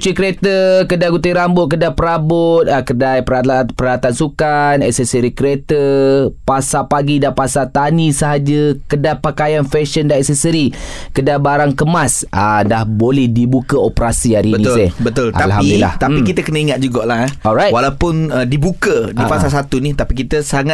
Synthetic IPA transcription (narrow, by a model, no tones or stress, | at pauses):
ut͡ʃikəɾet̪əkədajɡut̪aɾambʊt̪̚kədajpəɾabʊt̪̚akədajpəɾapəɾaat̪ansukanɛ̰ksɛsəɾikɾet̪əpasapaɡidapasat̪anisəɦad͡ʒəkədajpakajanfɛʃəndaɛksɛsəɾikədajbaɾaŋkəmasʔadahbolɛhdibukaopəɾasiaɾibənisebət̪ʊltʔaalhamidilːa̰h̪apikit̪əkənəiŋat̪̚d͡ʒuɡaʔlaɔlɾajtwalawpʊnədibukədipasalsat̪unit̪apikit̪əsaŋat̪̚